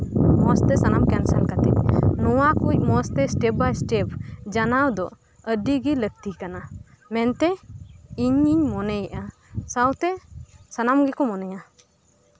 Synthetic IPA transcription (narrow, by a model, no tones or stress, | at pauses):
mɔst̪ɛsanamkɛnsankat̪ɛ̰ʔ̚nɔwakuc̚mɔst̪ɛsʈɛp̚bajsʈɛp̚ʰd͡ʒanawd̪ɔ | əɖiɡilək̚t̪ikana | mɛnt̪ɛiɲiɲmɔnɛjɛʔa | sawt̪ɛsanamɡɛkɔmɔnɛja